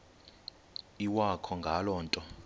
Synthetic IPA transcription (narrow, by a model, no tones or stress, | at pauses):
iwakʰɔŋɡʱalɔːntʼɔ